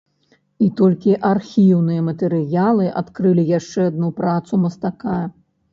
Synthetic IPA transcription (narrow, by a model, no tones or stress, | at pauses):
it̪ɔlʲkʲiʔarxʲiwnɨjɐmɐt̪ɛɾɨjalˠɨʔat̪kɾɨlʲijaʂt͡ʂɛad̪̚nupɾat̪sumɐst̪aka